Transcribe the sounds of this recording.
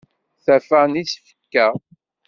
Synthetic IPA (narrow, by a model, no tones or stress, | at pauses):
θæfanisfə̥kːæ